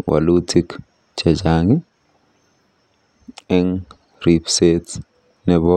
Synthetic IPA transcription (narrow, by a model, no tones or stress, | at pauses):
wa̰lutʰik | t͡ʃɛd͡ʒaŋi | ɛŋ | ɾipset | nɛβɔ